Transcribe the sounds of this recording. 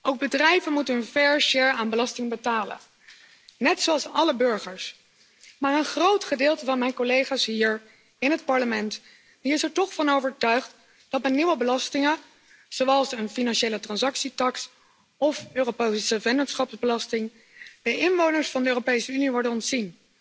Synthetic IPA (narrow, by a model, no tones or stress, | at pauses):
owɡ̚bədrɛjvənmutənənvɛɹʃɪɹaːnbəlɑstɪŋbətaːlə̰n | nɛtsoɑlˠsɑləbɵɹχəɹs | maːɹənχrowtχədɪːlˠtəvɑnmɛjnkolejχaːsɦiːɹ | ɪnɦətpɑɹləmɛnt | diɪsɛɹtɔχfɑnowvəɹtœɥχt | d̥ɑtmɛniʋəbəlɑstɪŋən | z̥owɑlˠsənfinɑnʃejlətrɑnsɑksitɑks | ɔføːropesəvɛndənsχɑpzbəlɑstɪŋ | b̥ɛjɪnʋownəɹsfɑndəøːropejsəyniʋɔɹdənɔntsin